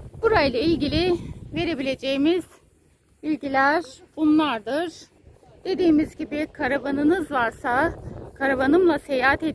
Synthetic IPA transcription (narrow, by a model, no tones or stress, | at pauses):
b̥uɾajlˠailʲɟilʲive̞ɾe̞bilʲe̞d͡ʒejimiz̥ | bilʲɟilʲæɾ̥b̥unlˠaɾd̪ɯɾ̥ | d̪̥e̞d̪iːmizɟibikʰaɾabanɯnɯzvaɾsakʰaɾaβanɯmlˠase̞jaɦat̪ed̪